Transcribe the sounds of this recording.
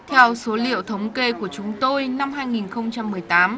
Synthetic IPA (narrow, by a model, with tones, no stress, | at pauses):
t̪ʰɛ˧wso˨˦lḭ˧˨əwt̪ʰə˨˦wŋ͡mke˧ku˧˩ət͡ɕʊ˨˦ŋ͡mt̪o˧jna˧mɦaː˧jŋi˨˩nxə˧wŋ͡mt͡ɕa˧mːɨ˨˩əjt̪aː˨˦m